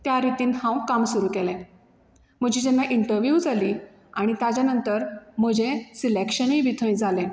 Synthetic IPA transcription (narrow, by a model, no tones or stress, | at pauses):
t̪jaɾit̪iːnhãw̃kamsuɾuːkɛlɛ̃ | m̤əd͡ʑiːd͡ʑɛnːaʔiɳʈəɾʋjud͡zʱaliː | aɽ̃it̪ad͡ʑjanənt̪əɾm̤əd͡ʑẽsilekɕənĩʋit̪ʰə̃j̃d͡zʱalɛ̃